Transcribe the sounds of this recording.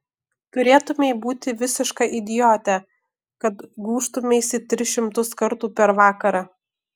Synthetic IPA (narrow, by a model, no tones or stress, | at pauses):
t̪ʊɾʲeːt̪ʊmʲeɪbuːt̪ʲɪʋʲɪsʲɪʃkɑʔɪd̪ʲɪjoːt̪ʲæ | kɐt̪ɡuːʃt̪ʊmʲeɪsʲɪt̪ʲɾʲɪʃʲɪmt̪ʊskɐɾt̪uːpʲɛɾʋɑːkɐɾɐ